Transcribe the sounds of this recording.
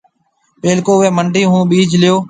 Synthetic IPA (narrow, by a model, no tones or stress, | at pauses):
ɓeːlkoːʊeːməɳɖiːɦũːɓiːd͡ʒlɪjoː